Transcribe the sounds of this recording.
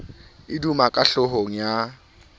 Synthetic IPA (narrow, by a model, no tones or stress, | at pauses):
ɪdumakʼaɬʊɦoŋ̩ja